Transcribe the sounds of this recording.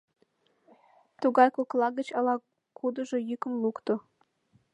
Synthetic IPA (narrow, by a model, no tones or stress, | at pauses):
t̪uɣɑjkoklɑɣət͡ɕɑlɑ | kʰud̪ə̆ʒojykə̆mlukt̪o